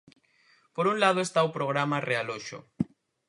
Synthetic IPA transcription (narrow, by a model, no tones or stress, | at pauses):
poɾunlað̞oest̪aopɾoɣ̞ɾamarealoʃo̰